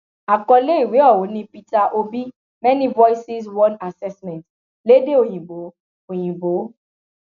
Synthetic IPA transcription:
a˨kɔ˧le˦i˦˨we˨˦ɔ˦˨wo˨˦nĩ˧pi˧ta˧ʔo˧bi˦ | mɛ˦nĩ˦vɔ˦i˦si˦s̬wɔ̃˦na˨sɛ˦smɛ̃˨nt | le˨˦de˦o˦˨j̃ĩ˨bo˨˦ | o˨j̃ĩ˨bo˨˦

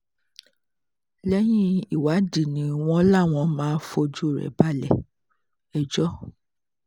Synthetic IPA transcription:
lɛ˦j̃ĩ˦i˨wa˨˦di˦˨nĩ˧˦w̃ɔ̃˦la˦˨w̃ɔ̃˧mãː˦fo˧d͡ʒu˦˨ɾɛ̰˨ba˦lɛ̰˦˨ | ɛ˨d͡ʒɔ˦

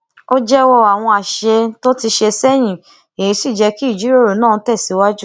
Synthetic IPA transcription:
o˦d͡ʒɛ˦wɔ˧a˨w̃ɔ̃˧a˨ʃe˧to˦ti˧ʃe˧sɛ˦j̃ĩ˨ | e˨j̃ĩ˧˦si˦˨d͡ʒɛ˧ki˦i˦˨d͡ʒi˨˦ɾo˦˨ɾo˨nãː˦˨˧tɛ˦˨si˨˦wa˦d͡ʒu˦

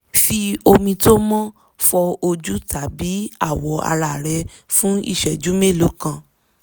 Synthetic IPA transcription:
fi˧o˧mĩ˧to˦mɔ̃˦ | fɔ˧o˧d͡ʒu˦ta˨˦bi˨˦a̰˦˨wɔ˨˦a̰˧ɾa˨ɾɛ˧ | fũ˦ḭ˦˨ʃɛ˨d͡ʒu˨˦me˦˨lo˨˦kã˧˨

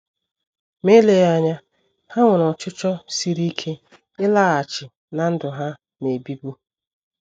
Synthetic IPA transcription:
me˦le˨ɣa˦ɲa˦ | ha˦ŋʷʊ˨nɔ˨t͡ʃʊ˦t͡ʃɔ˦si˦ɾi˦kʰe˦ | ɪ˦laː˦˨a˨t͡ʃɪ˨ | na˨n̩˦dʊ˨ɦa˦ | ne˨bi˦bu˦

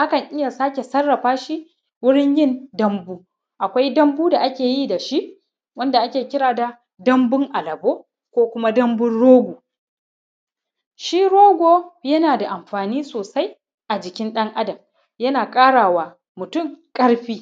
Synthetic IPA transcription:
ha˦kɐ˨ɲʔɪ˦ja˨saː˦kʲe˨sɐ˦rːɐ˨ɸaː˦ʃi˦ | wʊ˦ɽɪ˦ɲjɪ˦ndɐ˦mbuː˦ | ʔa˨kʷa˦jdɐ˦mbuː˦da˨ʔa˦kʲeː˨ji˦˨da˨ʃi˦ʔ | wɐ˦nda˨ʔa˦kʲeː˨kʲɪ˦ɽaː˨da˨ | dɐ˦mbʊ˦ŋʔa˨lɐ˨boː˦ | kʷoː˦kʷʊ˦ma˦dɐ˦mbʊ˦nɽoː˦ɡʷuː˨ | ʃiː˦ɽoː˦ɡʷoː˦jɐ˦naː˨da˨ʔa˨mɸaː˨niː˦soː˨sa˦j | ʔa˨d͡ʒɪ˨kʲɪ˦nɗɐ˦ŋʔa˦dɐ˨m | jɐ˦naː˨kʼaː˦ɽaː˨waː˨ | mʊ˨tʊ˦˨ŋkʼɐ˦ɽɸiː˦

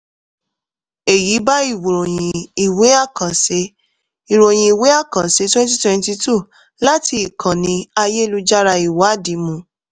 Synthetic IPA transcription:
e˨ji˨˦ba˦i˦˨wo˨ɾo˨j̃ĩ˧i˨we˨˦a˦˨kã˨se˨˦ | i˨ɾo˨j̃ĩ˧i˨we˦a˦˨kã˨se˨˦twɛ̃˦n˦t̬i˦twɛ̃˧n˦ti˧tu˦˨ | la˦tʰi˧i˨kʰã˨nĩ˧a˧je˦˧lu˧d͡ʒa˦ɾa˧i˨wa˨˦a˦˨di˨˦mũ˧˦

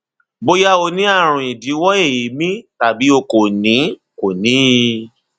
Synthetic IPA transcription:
bo˦ja˦o˧nĩ˦a˦˨ɾ̃ũ˨i˨di˨˦wɔ˦e˦˨ji˨˦mĩ˦ta˦˨bi˨˦o˧ko˨nĩ˨˦ | ko˨nĩ˨˦˧

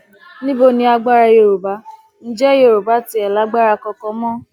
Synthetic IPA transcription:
nĩ˦bo˦˨nĩ˧a˧ɡ͡ba˦ɾa˧je˧˨ɾo˨ba˨˦ | n̩˦d͡ʒɛ˦je˦˨ɾo˨ba˨˦ti˧˦ɛ˨la˨˦ɡ͡ba˦ɾa˧kɔ˧kɔ˧mɔ̃˦

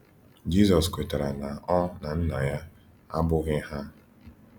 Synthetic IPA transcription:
d͡ʒi˦zɔ˨skʷe˨ta˨ɾa˨na˨ɔ˦na˨n̩˦na˨ja˦ | a̰˦bʊ˦ɣɪ˦ɦa˦

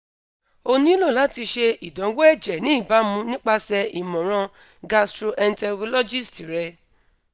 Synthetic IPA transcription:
o˧nĩ˦lo˦˨la˨˦ti˧ʃe˧i˨dɔ̃˨˦we˦ɛ˦˨d͡ʒɛ˨nĩ˨˦i˦˨ba˨˦mũ˧nĩ˦k͡pa˧sɛ˧ʔi˨mɔ̃˨ɾ̃ã˧ | ɡa˧stɾo˧ʔɛ˧n˦tɛ˧ɡlɔ˦d͡ʒi˦˨sti˨ɾɛ˧

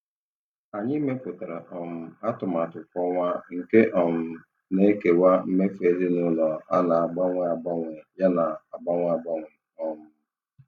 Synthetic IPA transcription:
a˨ɲɪ˦me˦pʊ˨ta˨ɾa˨ʔɔ˨m̩˨a˦tʊ˨m˨a˨tʊ˨kʷɔ˦ŋʷa˦ŋ̩˨ke˦ʔɔ˨m̩˨ | ne˦ke˨wa˦m̩˦me˦fe˨˦zi˦nʊ˦nɔ˨a˦na˨a˨ɡ͡ba˦ŋʷɛ˦a˨ɡ͡ba˦ŋʷʊ˨ja˦na˨a˨ɡ͡ba˦ŋʷ˦a˦˨ɡ͡ba˦ŋʷʊ˨ | ɔ˨mʊ˦

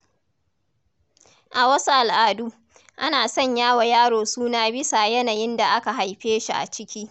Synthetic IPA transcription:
ʔa˨wɐ˦su˦ʔa˨lʔaː˨duː˦ | ʔa˦naː˨sɔ˦˨ɲjaː˦wa˨jaː˦ɽoː˨suː˦naː˦bɪ˦sa˨jɐ˦naː˨jɪ˦nda˨ʔa˦ka˨ɦa˨jɸeː˦ʃi˨ʔa̰˨t͡ʃɪ˦kʲiː˦

